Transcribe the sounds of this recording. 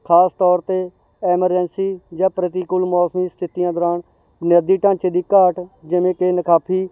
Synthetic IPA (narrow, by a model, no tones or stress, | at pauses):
kʰaːst̪ɔːɾt̪eː | ɛːməɾd͡ʒənsiːd͡ʒãːpɾət̪iːkʊlmɔːsmiːst̪ʰɪt̪ijãːd̪oɾãːɳ | njəd̪iːʈãːt͡ʃeːd̪iːkaːʈd͡ʒɪʋẽːkeːnəkʰaːpʰiː